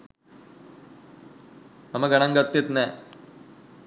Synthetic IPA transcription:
ɐmɐɡɐɳɐŋɡɐt̪ːit̪ne

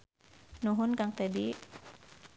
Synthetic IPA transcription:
nuɦʊnkaŋt̪ɛdi

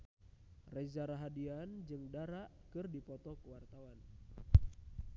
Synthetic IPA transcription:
rɛzaɾaɦadiand͡ʒɨŋdaɾaʔkɨrdipɔt̪ɔkəwart̪awan

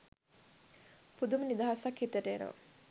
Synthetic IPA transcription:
pud̪umənid̪aɦasɐkhit̪əʈeːno̰

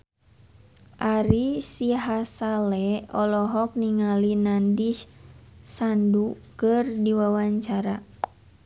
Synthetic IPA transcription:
ʔaɾisiɦasalɛɔlɔɦɔk̚niŋalinandiʃsandukɨrdiwawaɲt͡ʃaɾa

